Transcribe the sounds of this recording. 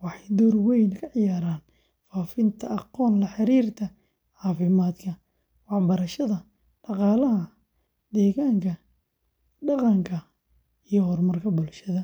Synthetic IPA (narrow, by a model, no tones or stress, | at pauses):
wɑħɑjd̪ɔːrwɛjnkʰɐʕɪjaːɾaːn | faːfɪnt̪ʰɐʔɑqɔːnlɐħɑɾiːrt̪ʰɐ | ʕɑːfɪmaːd̪kʰɐ | wɑħbɐɾɐʃɐðɐ | ɖ̥ɑqɑːlɐɦɐ | d̪ɛːɣaːŋkʰɐ | ɖɑqɑŋkʰɐ | ijɔhɔrmɐrkʰɐbʊlʃɐðɐ